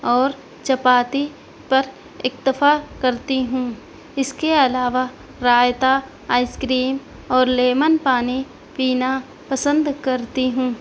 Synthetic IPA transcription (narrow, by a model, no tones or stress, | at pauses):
ɔːɾ | t͡ʃɐpaːt̪i | pɐɾ | ɪkt̪ɪfakɐɾt̪iɦũː | ɪskeɐlaːʋa | ɾaːjt̪a | aːɪskɾiːm | ɔːɾleːmənpaːni | piːna | pɐsə̃nd̪kɐɾt̪iɦũː